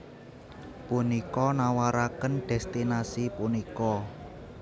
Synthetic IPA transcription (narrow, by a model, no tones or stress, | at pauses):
punikɔnawaɾakənɖ̥ɛ̤st̪inasipunikɔ